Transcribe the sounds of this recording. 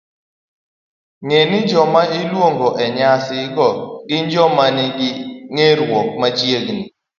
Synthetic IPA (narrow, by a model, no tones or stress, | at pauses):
ŋenɪd͡ʒɔmaɪlwoŋɡoʔɛɲasɪɡɔɡɪnd͡ʒɔmanɪɡɪŋeɾwɔk̚mat͡ʃjeɡni